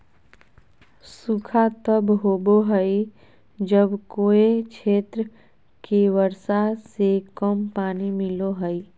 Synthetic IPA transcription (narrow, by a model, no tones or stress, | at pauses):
sʊkʰat̪əbɦoːboɦəi | d͡ʒəbkoːet͡ʃʰeːt̪ɾə | keʋəɾsasekəmpaːnimɪloɦəi